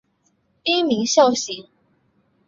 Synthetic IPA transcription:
pi˥ŋmi˨˥˦ŋɕjɑ˥˩ʊɕi˨˦ŋ

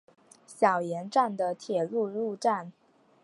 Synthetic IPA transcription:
ɕjɑ˨˩ʊjɛ˧˥nʈ͡ʂa˥˩nd̪ə˩t̪ʰjɛ˨˩lu˥˧lu˥˧ʈ͡ʂa˥˩n

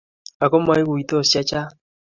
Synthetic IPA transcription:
a˨kɔ˦ma˦i˦ɣu˨i˨tɔ˦˨sja˦t͡ʃa˦

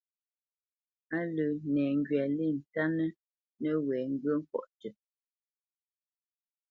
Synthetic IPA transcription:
a˦lə˨nɛː˨ŋ̩˦ɡɥa˨li˦˨n̩˨ta˦nə˦ | nə˦wɛː˨ŋ̩˦ɡɰə˦ŋ̩˦kwɔ̰˦˨ʔtə˨

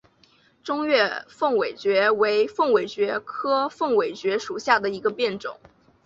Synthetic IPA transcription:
ʈ͡ʂʊ˥ŋɥɛ˥˧fɤ˥˩ŋwe˨˩ɪt͡ɕɥɛ˧˥we˧˥ɪfɤ˥˩ŋwe˨˩ɪt͡ɕɥɛ˧˥kʰɤ˥fɤ˥˩ŋwe˨˩ɪt͡ɕɥɛ˧˥ʂu˨˩ɕja˥˩d̪ə˩i˧˥ɡə˧pjɛ˥˩nʈ͡ʂʊ̰˨˩˦ŋ

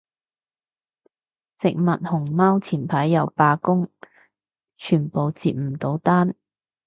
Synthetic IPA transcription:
t͡sɪ˨k̚mɐ˨t̚hʊ˨˩ŋmaː˥wt͡sʰiː˨˩npʰɐ˨˥jːɐ˨wpaː˧kʊ˥ŋ | t͡ʃʰyː˨˩npo˨wt͡siː˨p̚m̩˨˩t̪o˨˥wt̪aː˥n

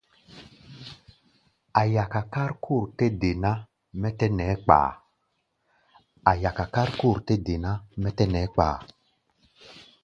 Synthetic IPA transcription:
a˨ja˨ka˨ka˦ɾkʰu˦˨ɾte˦de˨na˦ | mɛ˦tɛ˦nɛ˨˦k͡pa̰ː˨ | a˨ja˨ka˨ka˦ɾku˦˨ɾte˦de˨na˦mɛ˦tɛ˦nɛ˨˦k͡pa̰ː˨

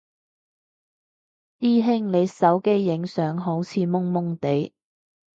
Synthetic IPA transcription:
iː˥ɦɪ˥ŋnle˨˧jsɐ˨˥wke˥jːɪ˨˥ŋsœː˨˥ŋɦo˨˥wt͡sʰiː˨˧mʊ˥ŋmʊ˥ŋt̪e˨˥j

